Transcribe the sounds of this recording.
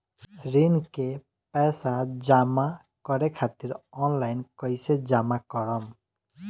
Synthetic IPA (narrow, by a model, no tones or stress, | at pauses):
ɾinke | pɛsad͡ʒama | kɔɾɛkʰat̪iɾɔnlajnkɔjsed͡ʒamakɔɾɔm